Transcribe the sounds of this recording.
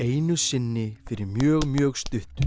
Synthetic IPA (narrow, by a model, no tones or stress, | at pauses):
eːjnʏsɪnːɪfɪɾɪɾmjœːɣmjœːɣst̪ʏht̪